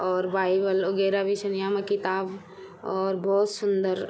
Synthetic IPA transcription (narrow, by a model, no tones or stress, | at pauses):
ɔːɾbaːɪbəloɡeɾabʱisənjamekit̪aːb | ɔːɾbɔːt̪sʊnd̪əɾ